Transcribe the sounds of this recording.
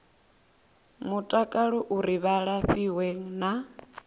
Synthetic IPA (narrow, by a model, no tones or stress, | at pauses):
mutʼakʼaɺɔʔuɾiβaɺaɸiweŋ̩na